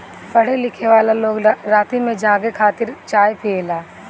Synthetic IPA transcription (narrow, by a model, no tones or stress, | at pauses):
pɐɽ̤elɪkʰeʋaːlaloːɡɾaːt̪imẽd͡ʒãːɡekʰaːt̪ɪɾt͡ʃaːjpʰeːlaː